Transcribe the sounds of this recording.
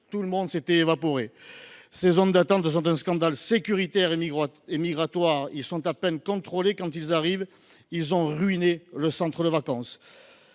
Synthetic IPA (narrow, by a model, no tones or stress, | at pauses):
t̪uləmɔ̃d̪set̪ɛːvapɔʁesezɔnd̪at̪ɑ̃t̪s̬ɔ̃t̪ɛ̃skɑ̃d̪alsekʲyʁit̪ɛʁeemiɡʁat̪waʁilsɔ̃t̪apɛnkɔ̃t̪χɔlekɑ̃t̪ilzaʁiv | ilzɔ̃ʁyineləsɑ̃t̪χəd̪əvakɑ̃s